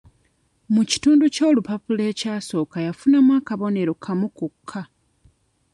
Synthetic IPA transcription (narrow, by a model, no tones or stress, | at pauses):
muci̥tuːnduco̞ːlupapule̞ːcaːso̞ːkajafunamwaːkaβo̞ne̞ɾokʰamukukʰːa